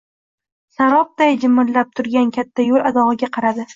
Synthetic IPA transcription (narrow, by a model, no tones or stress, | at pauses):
saɾɒp̚t̪ajd͡ʒɪmːɪɾlːap̚t̪ʰʊɾɡʲankʲʰat̪ʰːajolˠad̪ɒʁɨɡʲaqʰɑɾad̪ɪ